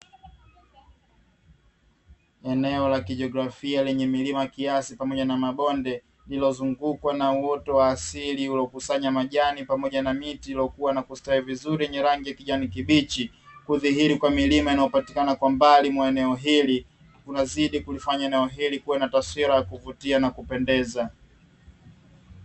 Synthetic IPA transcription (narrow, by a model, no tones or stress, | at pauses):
ɛnɛɔlakiʄɔɡɾafialɛɲɛmilimajakiasipamɔʄanamaɓɔndɛ | lilɔzuŋɡukwanauɔtɔwaːsiliulɔkusaɲamaʄanipamɔʄanamitilɔkuwanakustaivizuɾiɛɲɛɾaŋɡijakiʄanikiɓit͡ʃi | kuðiɦiɾikwamilimainajɔpati̥kanakwambalimwaɛnɛɔɦili | kunaziɗikulifaɲaɛnɛɔɦilikuwanataswiɾajakuvutianakupɛndɛza